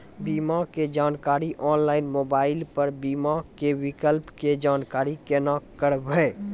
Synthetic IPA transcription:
biːmaked͡ʒaːnkaːɾiʔʔɔːnlaːɪnmoːbaːɪlpəɾbiːmakewɪkəlpked͡ʒaːnkaːɾikenakəɾbɛː

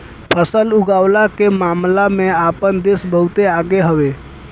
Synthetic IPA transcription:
pʰəsəlʊɡaːwlakemaːmlamẽaːpənd̪esbəɦʊt̪eaːɡeɦəʋeː

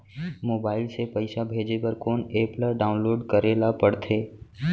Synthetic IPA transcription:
moːbaːɪlsepəɪsabʱeːd͡ʒepəɾkoːneːplaɖaːʊ̃nloːɖkəɾeːlapəɽt̪ʰeː

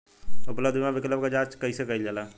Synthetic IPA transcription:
ʊpləd̪imãbɪkləbkad͡ʒaːt͡ʃkəisekəild͡ʒalaː

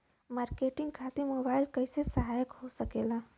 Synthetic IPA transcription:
maɾkeʈiŋɡkʰat̪iːmobailkəjsesəɦajəkhosəkela

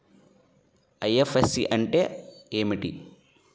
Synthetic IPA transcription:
ɐjefesiʔɐɳʈeeːmiʈḭ

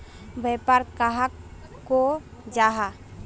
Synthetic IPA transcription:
bəjpaɾkaɦak | kːod͡ʒaɦa

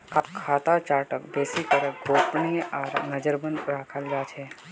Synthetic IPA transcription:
kʰakʰaːt̪at͡ʃaːɾʈəkbeːsikəɾɡoːpɳiɔːɾnɐd͡ʒəɾbə̃nɾaːkʰəld͡ʒaːt͡ʃʰɛː

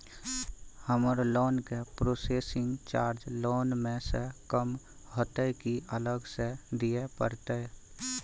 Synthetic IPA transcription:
həməɾloːnkepɾoːseːsɪ̃ŋɡt͡ʃaːɾd͡ʒloːnmẽsekəm | ɦət̪əkiələɡsed̪ijepə̰ɾt̪e

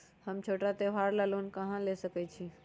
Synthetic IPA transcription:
həmt͡ʃʰoʈat̪eʋaɾlalunkəɦãlesəkɛt͡ʃʰi

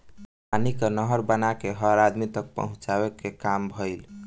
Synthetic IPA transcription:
anikenəɦəɾbənakeɦəɾad̪mit̪ək̚pə̰ɦũt͡ʃabekekambʱəɪl

